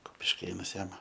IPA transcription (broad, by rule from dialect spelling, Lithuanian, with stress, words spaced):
kʊpʲɪʃʲˈkʲeːnɐs ˈjɛm